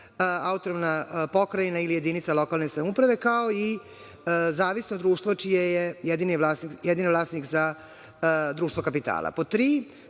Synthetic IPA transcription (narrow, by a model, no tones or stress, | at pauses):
aut̪oɾomnapo̞kɾainailije̞d̪iːnit̪salo̞kalˠnesamupɾaʋe̞kao̞i | zaːʋisnod̪ɾuːʃt̪ʋot͡ʃijejejed̪inilasnikjɛd̪inivlˠaːsnikza | d̪ɾuːʃt̪vokapit̪a̰ːla̰pot̪ɾiː